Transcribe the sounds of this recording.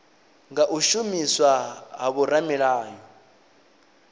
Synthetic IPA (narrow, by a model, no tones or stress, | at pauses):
ŋɡaʔuʃumiswaɦaβuɾamiɺaːjɔ